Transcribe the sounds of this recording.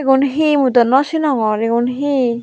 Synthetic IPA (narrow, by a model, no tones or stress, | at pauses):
ɡunɦimut̪ɔnɔsinɔŋɔɾeɡunɦi